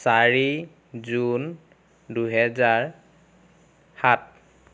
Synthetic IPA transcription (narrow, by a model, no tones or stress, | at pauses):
saɹi | zun | duɦɛzaɹ | hat̚